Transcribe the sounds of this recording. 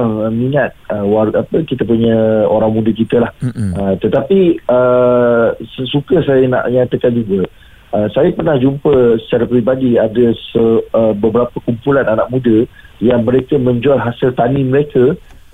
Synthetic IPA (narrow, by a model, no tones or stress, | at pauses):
ŋəmiŋat̪̚əwaɾuapəkit̪əpuɲə̃oɾaŋmũdəkit̪əlahət̪ət̪apiə | ssukəsajana̰ʔjaŋt̪əkad͡ʒuɡə | əsajapərnahd͡ʒumpəsə̥t͡ʃaɾapɾibadiadəsəəbəbəɾapəkumpulananaʔ̚mũdə | jaŋməɾekəmə̃ɲd͡ʒualɦasɪlt̪animəɾekə